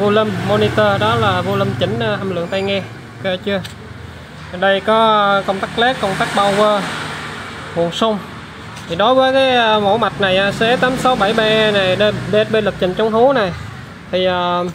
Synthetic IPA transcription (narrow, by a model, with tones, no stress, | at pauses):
vu˧lə˧mːo˧ni˧t̪əː˧ɗɔ˨˦laː˨˩vu˧lə˧mt͡ɕi˧˩ŋ̟ː˧ʔə˧mlɨ̰˧˨əŋt̪a˧jŋɛ˧ | kə˧t͡ɕɨ˧ə˨˩ | ɗə˧jkɔ˨˦kə˧wŋ͡mt̪aː˦˥k̚lɛ˦˥kkə˧wŋ͡mt̪aː˦˥k̚ɓa˧˩wvəː˧ | hṵ˨˩sʊ˧wŋ͡m | t̪ʰi˨˩ɗo˨˦jvəː˨˦jkaː˨˦jmo˧˩˦ma˨˩t̚na˨˩jʔaː˨˩se˨˦t̪aː˨˦msa˨˦wɓa˧˩jɓɛ˧na˨˩jɗə˧ɓe˨˥t̚ɓe˧nlə˨˩p̚t͡ɕï˨˩ŋ̟t͡ɕɔ˨˦wŋ͡mɦu˨˦na˨˩j | t̪ʰi˨˩ʔəː˨˩